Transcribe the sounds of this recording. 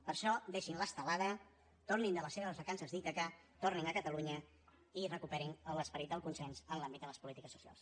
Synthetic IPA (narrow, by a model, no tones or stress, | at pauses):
pəɾʃɔd̪eʃinləst̪əlaðə | t̪ornind̪ələseβəzβəkansəzðit̪əka | t̪orninəkət̪əluɲə | irəkupɛɾinələspəɾit̪̚d̪əlˠkunsɛnzənlambit̪̚d̪ələspulit̪ikəsːu̥sia̰lˠs